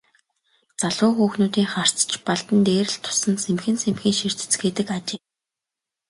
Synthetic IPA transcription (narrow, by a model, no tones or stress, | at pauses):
t͡saɮʊːxuːxnuːt̪iːŋχar̥t͡st͡ɕpaɮt̪ə̆nt̪eːɾɘ̆ɮt̪ʰːʊ̥sə̆nsemxɘ̆nsemxiːŋʃir̥t̪ɘ̥̆t͡sɡeːt̪ɘ̆kat͡ɕɪː